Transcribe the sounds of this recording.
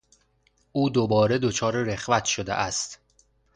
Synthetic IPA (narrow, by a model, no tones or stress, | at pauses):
ʔuːd̪obɒːɾed̪ot͡ʃʰɒːɾeɾexvæt̪ʰʃod̪ḛʔæst̪